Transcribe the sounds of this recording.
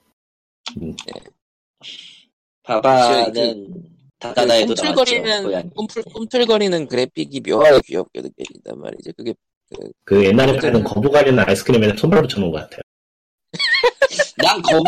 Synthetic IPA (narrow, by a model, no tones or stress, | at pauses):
nḛ | pabanɯn | taaaomtʰɯɭɡʌɾinʌnompʰuk͈omtʰɯɭɡʌɾinɯnkɯɾe̞pʰiɡipjʌaepiʌ̰p̚k͈ḛdɯkḛida̰nma̰ɾḭd͡ʑekɯɡe̞ | kɯ̰kɯje̞nːaɾep͈anɯnkʌbuɡaɾjinɯna̰is͈ʰɯ̥kʰɯɾimenɯnsʰombaɭbut͡ɕʰʌnoŋɡʌk͈atʰe̞jo | nankʌ